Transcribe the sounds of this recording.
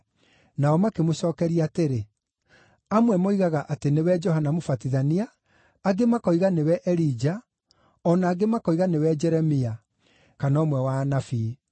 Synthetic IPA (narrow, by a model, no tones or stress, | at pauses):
naɔmakemoʃɔːkɛɾiaːteɾe | amwɛmoiɣaɣaʔatenewɛd͡ʒɔɦanamofatiðaniaː | ɡemakɔiɣanewɛʔɛɾid͡ʒa | ɔnaːɡemakɔiɣanewɛd͡ʒɛɾɛmia | kanɔmwɛwanafiː